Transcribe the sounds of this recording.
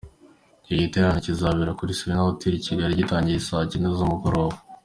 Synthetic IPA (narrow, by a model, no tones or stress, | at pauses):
ciɟiteɾaɲocizaːβiɾakuɾisiɾenaotiɾiciɡaɾiɟitaːɲɟisacinezomukoɾoːβo